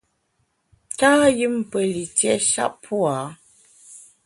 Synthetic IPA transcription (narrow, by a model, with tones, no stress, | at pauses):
taː˦jɨ˦m˦pə˨li˨tjɛ˦ʃa̰˦ʔpʰu˦a˨˦